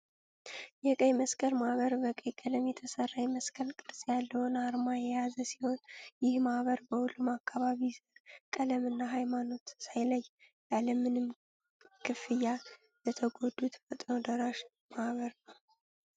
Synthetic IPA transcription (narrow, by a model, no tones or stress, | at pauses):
jɛkʼəjməskʰʼəlmahβəɾbəkʼəjkʼələmjɛt̪ʰəsərːajməskʰəlkʼɨɾsʼjalːəhonaɾmajɛjazəsiho̞njɪhmahβəɾbəhulːumakʰːaβaβizɨɾkʼələmɨnːaɦajmano̞t̪sajləjː | jaləmɨnɨm | kʰɨfɨjːa | lət̪ʰəɡo̞d̪ut̪fət̪ʼnəwd̪əɾaʃ | mahβəɾnəw